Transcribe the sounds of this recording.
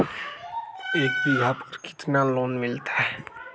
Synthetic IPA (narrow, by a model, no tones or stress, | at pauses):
eːkbibʱaːpkkɪ̥t̪naːloːnmɪlt̪ʰa